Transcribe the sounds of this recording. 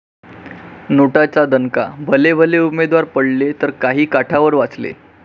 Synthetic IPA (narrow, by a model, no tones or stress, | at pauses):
noʈat͡sad̪ənkabʱəlebʱəleumed̪ʋaɾpəɽlet̪əɾkaɦiːkaʈʰaʋəɾʋat͡slḛ